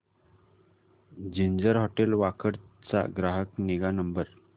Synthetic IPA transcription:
d͡ʑiɲd͡ʑəɾɦɔʈelʋakəɽt͡sa̰ɡɾaɦəkniɡanəmbəɾ

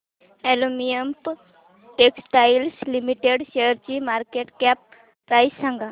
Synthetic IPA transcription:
elomijəmp | ʈeksʈajlslimiʈeɽʃejəɾt͡ɕimaɾkeʈkɛpː | ɾajssãŋɡʱa

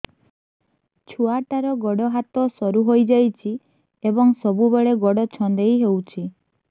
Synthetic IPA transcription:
t͡ʃʰuaʈaɾɔɡɔɽɔɦat̪ɔsɔɾuɦojd͡ʒajt͡ʃʰi | ebɔŋsɔbubeɭeɡɔɽɔt͡ʃʰɔnd̪ejɦewt͡ʃʰi

